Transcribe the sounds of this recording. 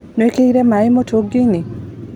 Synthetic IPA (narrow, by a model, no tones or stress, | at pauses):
noekeiɾemaimotʰoɡini